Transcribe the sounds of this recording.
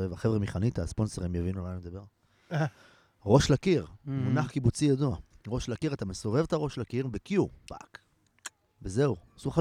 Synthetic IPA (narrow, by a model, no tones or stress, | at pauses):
evaχe̞vʁemiχanit̪aspo̞nsoʁimjavinulajmd̪abe̞ʁ | ʁo̞ʃlakiʁmunaχkibut͡sijaduaʁo̞ʃlakiʁat̪ameso̞ve̞vet̪aʁo̞ʃlakiʁbekjupa̰k | veze̞usuχa